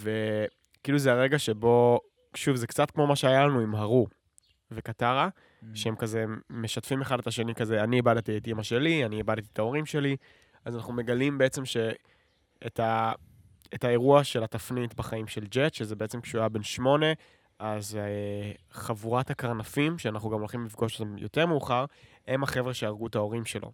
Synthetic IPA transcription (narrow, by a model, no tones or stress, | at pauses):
ve̞ | kiːluzeaʁe̞ɡaʃe̞bo̞ | ʃuvzekt͡satkmo̞maʃeajalanuimɦaʁu | vekataʁa | ʃeemkazemeʃatfimeχadetaʃe̞nikazeaniebadet̪ietimaʃe̞lianiebadtiet̪ao̞ʁimʃe̞li | azanaχnume̞ɡalimbeet͡se̞mʃe̞ | etʰa | etae̞ʁuaʃe̞latafnitbaχaimʃe̞ld͡ʒetʃezebe̞et͡semkʃuabe̞nʃmo̞ne̞ | azeχavuʁathakaʁnafimʃeanaχuɡamolχimlifɡo̞ʃotamjo̞̰te̞ʁmeuχaʁ | e̞maχe̞vʁeʃeaʁɡuetao̞ʁimʃe̞lʔo̰